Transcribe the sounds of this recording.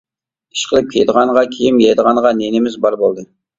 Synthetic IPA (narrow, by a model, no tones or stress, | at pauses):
i̥ʃqʰəlˠɨp̚kʲʰed̪əʁɑɴʁɑkʲʰejimjed̪əʁɑɴʁɑnenɪmɪzbɑɾbolˠd̪ɨ